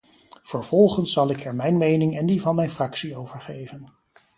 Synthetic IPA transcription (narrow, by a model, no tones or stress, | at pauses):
v̥əɹv̥ɔlˠχənsɑlˠɪkɛɹmɛjnmejnɪŋɛndivɑnmɛjnfrɑksiowv̥əɹχejvən